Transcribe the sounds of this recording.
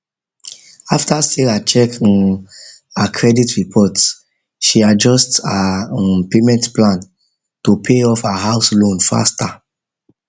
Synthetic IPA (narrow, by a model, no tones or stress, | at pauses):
aftaselat͡ʃɛk | akʰɹɛditɹipʰɔts | ʃiad͡ʒɔstapemɛ̃ntplãn | tupʰeɔfaɦaʊslõnfa̰sta